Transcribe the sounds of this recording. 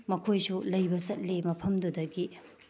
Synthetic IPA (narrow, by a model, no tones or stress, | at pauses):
mɐkʰojsulɐjbɐsɐt̚lemɐpʰɐmdudɐɡi